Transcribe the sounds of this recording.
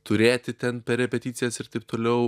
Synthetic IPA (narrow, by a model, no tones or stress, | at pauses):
t̪ʊɾʲeːt̪ʲɪt̪ʲɛnpʲɛɾʲɛpʲɛt̪ʲit̪sʲɪjɛsɪɾt̪ɐɪp̚t̪oːlʲɛʊ